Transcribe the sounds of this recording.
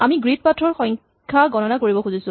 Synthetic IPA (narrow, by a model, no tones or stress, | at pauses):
amiɡɹit̚patʰɹɔɹxɔŋ | kʰaɡɔnɔnakoɹibɔxuzisʊ